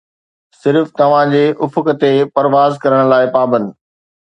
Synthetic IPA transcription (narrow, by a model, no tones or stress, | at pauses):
sɪɾft̪ɐʋ̤ãd͡ʑeːʔʊfʊkə̆t̪epɐɾʋaːzkɐɾəɽ̃laːɪpaːbə̃nd̪